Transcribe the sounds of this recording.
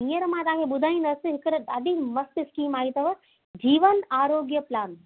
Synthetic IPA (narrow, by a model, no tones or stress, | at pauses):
ĩjəɾmãt̪aːkʰebʊd̪ʱaːĩnɐsɨɦɪkɾɐad̪imɐst̪ɪskiːmaːit̪ɐʋɐ | d͡ʒiːʋənaːɾoːɡjəplaːn